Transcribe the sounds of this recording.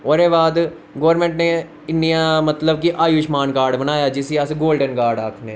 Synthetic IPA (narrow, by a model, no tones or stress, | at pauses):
oːɾeːbaːd̪ | ɡoːəɾmẽːɳʈne | ɪnːijãmət̪ləbkiʔaːjuːʃmaːnkaːɾɖbənaːjad͡ʒɪsiaːseɡoːlɖənkaːɾɖaːkʰne